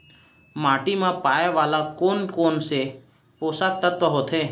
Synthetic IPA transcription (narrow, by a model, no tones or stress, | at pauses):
maːʈimãpaːjeʋaːlakoːnkoːnse | oːsak̚t̪ət̪ːɔɦoːt̪ʰeː